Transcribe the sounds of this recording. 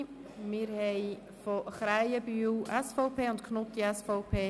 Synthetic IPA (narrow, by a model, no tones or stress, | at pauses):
mɪːɾhɛɪ | foχɾaɪəbyːwʔɛsfɔʊpʰeːʊntkʰnot̪iɛsfɔʊpʰeː